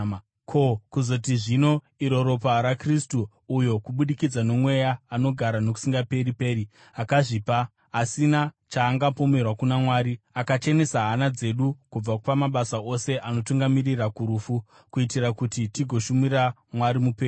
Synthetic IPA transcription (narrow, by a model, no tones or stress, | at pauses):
kʰo̞kuzo̞t̬iʐino̞ | iɾo̞ɾo̞paɾakristuː | jo̞kuɓuɗikid͡zano̞mwe̞jaːno̞ɡʱaɾano̞k̬u̥siŋɡape̞ɾipe̞ːɾi | akaʐipaː | sina | t͡ʃaːŋɡapo̞me̞rwakunamwaːɾiakat͡ʃe̞ne̞saɦanad͡ze̞ɗukub͡vakpamaɓasaʔo̞se̞ʔano̞tuŋɡamirirakuɾuːfu | kuitirakutitiɡʱo̞ʃumira | mwaɾimupeːu